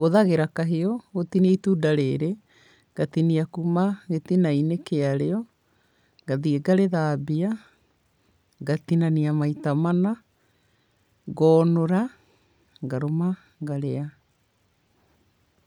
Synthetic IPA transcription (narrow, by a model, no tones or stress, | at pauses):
ɣoðaɣeɾakaɦeɔɣotiniaitudaɾeɾe | ɡ̥atiniakumaɣetinainekeaɾeɔ | ɡ̥aðieɡaɾeðaːbia | ɡat̪inaniamaitamana | ɣɔːnoɾa | ɡaɾoma | ɣaɾea